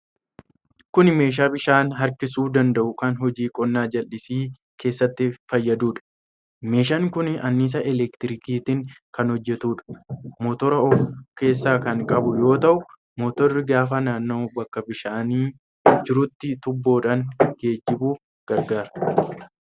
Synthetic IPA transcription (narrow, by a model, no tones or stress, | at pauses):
kʊnɪme̞ːʃ̬aːbɪʃaːnɦɐɾkɪsuːd̪ɐnd̪ɐʔʊkɐnɦɔd͡ʒiːkʼɔnːaːd͡ʒɐlʔɪsiː | kʰe̞ːsːɐt̪ːɪfɐjːɐd̪uːᶑɐ̥ | me̞ːʃ̬ɐŋkʊnɐnːiːs̬ɐʔɛlɛkt̪ɪɾɪkiːt̪ɪŋkɐnhɔd͡ʒːɛt̪uːᶑɐ̥mɔːt̪ɔɾɐɔfke̞ːs̬ːaːkɐŋkʼɐbʊjo̞ːt̪ɐʔʊ | moːt̪ɔrːɪɡaːfɐnaːnːo̞ːbɐkːɐbɪʃaːniː | d͡ʒɪɾʊt̪ːɪt̪ʊbːo̞ːᶑaŋɡ̥e̞ːd͡ʒːɪbuːf | ɡ̥ɐɾɡaːɾɐ